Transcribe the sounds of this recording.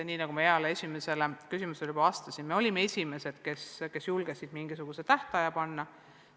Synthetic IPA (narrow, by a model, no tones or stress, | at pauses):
niːnɑɡ̥umɑeɑleesʲime̞se̞lekysimuseljub̥ɑɑːst̪ɑsinme̞o̞lʲimːee̞sʲime̞se̞d̪̥ke̞ske̞sjulɡ̥esid̪̥miŋɡisuɡ̥use̞t̪æht̪ɑjɑpɑnːɑ